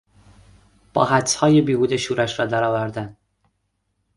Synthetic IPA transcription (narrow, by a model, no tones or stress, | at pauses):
b̥ɒ̰ːɦæt̪ʰhɒːjebiːɡuːd̪eʃuːɾæʃɾɒːd̪æɾɒːvæɾd̪æn